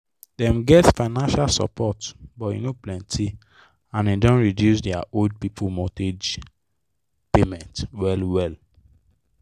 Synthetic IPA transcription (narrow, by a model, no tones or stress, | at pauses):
dɛ̃mɡɛtfaɪnãnʃalsɔ̰pʰɔtbɔtinoplɛ̃ntʰi | ãnedɔ̃nɹidjusdɛaʔold̚pipʰumɔ̃ted͡ʒ | pemɛ̃ntwɛlwɛl